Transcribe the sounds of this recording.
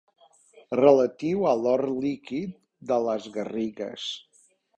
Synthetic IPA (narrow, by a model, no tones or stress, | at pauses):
rələt̪iwəlɔrlikit̪̚ | d̪ələzɣəriɣə̰s